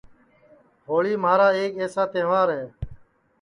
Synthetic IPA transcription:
ɦoːɭiːmaːɾaːeːkeːsaːt̪ẽːʋaːɾɦeː

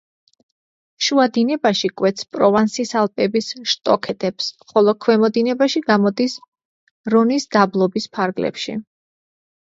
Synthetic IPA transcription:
ʃuad̪inɛbaʃikʼwɛt̪sʰpʼɾɔvansisalˠpʼɛbisʃt̪ʼɔkʰɛt̪ʼɛpsχɔlˠɔkʰwɛmɔd̪inɛbaʃiɡamɔd̪is | ɾɔnisd̪ablˠɔbispʰaɾɡlɛ̰pʃḭ

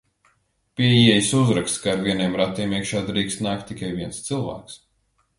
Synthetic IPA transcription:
pʲiɛjiɛjisuzɾakst̪kaːɾviɛniɛmɾat̪iɛmiɛkʃaːd̪ɾiːkst̪naːk̚t̪ːikajviɛnst̪sɨlˠvæ̰ːks

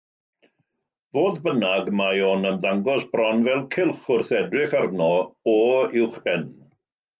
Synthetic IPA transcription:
voːðbənaɡmajonəmðaŋɡɔsbrɔnvɛlˠkʰɪlˠχʊrθɛdrɪχarnɔɔɪwχb̥ɛn

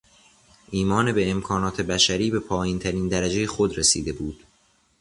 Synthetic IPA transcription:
ʔiːmɒːnebe̞ːmkʰɒːnɒːt̪ʰe̞bæʃæɾiːbe̞pʰɒːjint̪ʰæɾiːnd̪æɾæd͡ʒe̞jexo̞d̪ɾesḭːd̪e̞buːd̪̥

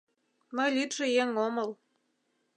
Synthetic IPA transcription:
məjlyt̪ʒĕjeŋomɤ̆l

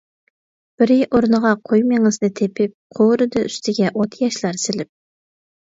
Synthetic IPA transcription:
b̥ɪɾɪʔoɾnəʁɑqʰojmeŋɨznɨt̪ʰepʰɪp̚qʰoɾɨd̪ɨyst̪ʰɪɡʲɛʔot̪ʰjɑʃlˠɑɾsɪlɪp̚

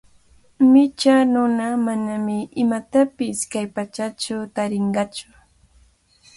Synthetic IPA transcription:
mɪt͡ʃanʊnamanamɪɪmat̪apɪskajpat͡ʃat͡ʃʊt̪aɾɪɴɢɑt͡ʃʊ̥

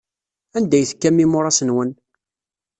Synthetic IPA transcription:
ænd̪æjθə̥kːæmːimʊɾˤɑsənwən

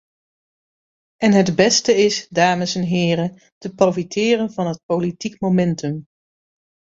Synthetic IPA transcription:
ɛnɦədbɛstəɪsdaːməsɛnɦɪːrən | təprowfitɪːrənvɑnɦət̚powlitikmomɛntɵm

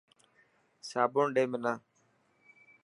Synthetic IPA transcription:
saːboːɳɖeːmɪnaː

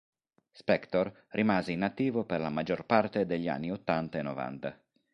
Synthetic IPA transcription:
spɛkt̪or | rʔimaːzeinat̪ːiːvoperlamad͡ʒorpart̪ed̪eʎːa̰nːiot̪ːant̪aenɔva̰nt̪a

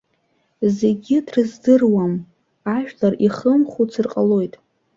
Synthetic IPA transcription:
zeɡʲɪdrɨzdɨrwam | aʒᶣlariχəmχut͡sʰɨrqʼalo̞jtʼ

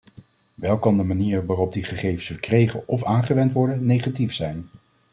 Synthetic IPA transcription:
ʋɛlˠkɑndəmaniːɹʋaːrɔb̚diχəχejvənsfəɹkrejχəɔfaːnχəʋɛntʋɔɹdənejχatifsɛjn

